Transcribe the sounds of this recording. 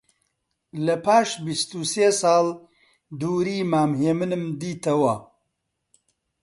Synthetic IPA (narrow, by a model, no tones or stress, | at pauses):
lɐpaːʃbist̪useːsɑːl | d̪uːɾiːmaːmɦeːmɨnɨmd̪iːt̪ʰɐwɐ